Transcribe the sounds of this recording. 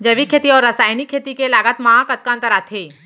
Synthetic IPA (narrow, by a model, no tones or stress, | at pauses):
d͡ʒɐʋikʰːeːt̪iɔːɾːəsaːjnikʰːeːt̪ikelaːɡət̪maãkɐt̪̚kãːnt̪əɾaːt̪ʰeː